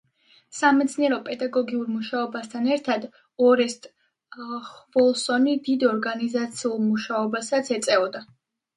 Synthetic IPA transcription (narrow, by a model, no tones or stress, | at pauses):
samɛt̪sʰniɛɾɔpʼɛd̪aɡɔɡiuɾmuʃaɔbast̪ʰanɛɾt̪ʰad̪ | ɔɾɛst̪ʼ | χvɔlˠsɔnid̪id̪ɔɾɡanizat̪sʰiulˠmuʃaɔbasat̪sʰɛt̪sʼɛɔd̪a